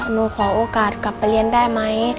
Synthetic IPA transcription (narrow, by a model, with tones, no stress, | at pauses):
no˧kʰɔ˨˩ʔo˧˦ka˨˩t̪̚ka˨p̚ːli˧ənda˥˩jma˧i˦